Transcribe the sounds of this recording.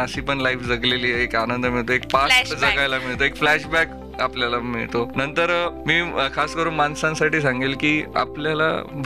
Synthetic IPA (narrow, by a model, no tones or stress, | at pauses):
əsiːpəɳlaifd͡zəɡleliːekanənd̪əmiɭt̪oek̚pasd͡zəɡajlamiɭt̪oekflæɕbæk | apljalamḭɭt̪onənt̪əɾmiːkʰaskəɾuːnmansãnsaʈiːs̬ãŋɡelkiːa̰pljala̰bʱ